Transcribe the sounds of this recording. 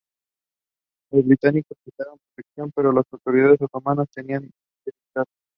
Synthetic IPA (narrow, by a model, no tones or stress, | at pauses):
lo̞zβɾit̪aniko̞spisaβompɾot̪ekθjo̞mpe̞ɾo̞lasawt̪o̞ɾiðaðe̞sawt̪o̞manast̪e̞nian | desit̪að